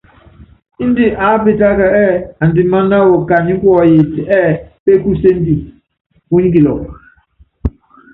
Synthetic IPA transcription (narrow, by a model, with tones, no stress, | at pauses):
i˦n˦di˦ʔa˨˦pe˨ta˦ka˨ɛ˦a˨n̩˨di˦ma˦na˦wo˨ka˨ɲi˦kwɔ˨je˨tɛ˦˨pe˦ku˦se˦n˦di˨ | u˦ɲ˦ɡi˨lɔ̰˨